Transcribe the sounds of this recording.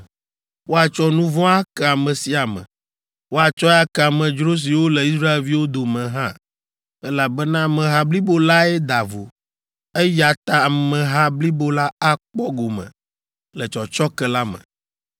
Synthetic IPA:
wo˦a˨t͡ʃɔ˦nũ˦vɔ̃˦a˦kɛ˦˨a˨mɛ̃˨si˨a˨mɛ̰̃˨ | wo˦a˨t͡ʃɔ˦ja˦kɛ˦˨a˨mɛ̃˨d͡ʒɾo˦s̬i˨wo˦lɛ˨i˦s̬ɾa˦e˨lvi˦wo˦d̪o˨mɛ̃˨ɦã˦ | ɛ˦la˨bɛ˦nã˦mɛ̃˨ɦa˦bli˦bo˦la˦ɛ˦d̪a˨vo̰˨ | ɛ˦ja˨t̪a˦˨mɛ̃˨ɦã˦bli˦bo˦la˦a˦k͡pɔ˦ɡo˨mɛ̰̃˨ | lɛ˨t͡ʃɔ˨t͡ʃɔ˦kɛ˦la˦mɛ̰̃˨

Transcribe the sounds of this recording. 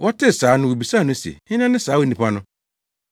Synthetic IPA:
wʔɔ˦tʰɪ˦˨saː˨˦nʊ̃˦wu˨bi˨sa˦˨nʊ̃˦sḛ˨hɪ̃˦nã˦nɪ̃˦saː˨˦wɔ˦nĩ˨pʰa˦nʊ̃˦

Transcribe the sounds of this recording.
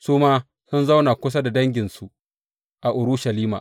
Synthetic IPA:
suː˦maː˦ | sʊ˦nza˦wnaː˨kʷʊ˦s̬a˦da˨dɐ˦ŋɡʲɪ˨nsu˨ | ʔa˨ʔʊ˨ɾʊ˦ʃɐ˨liː˦ma̰˨

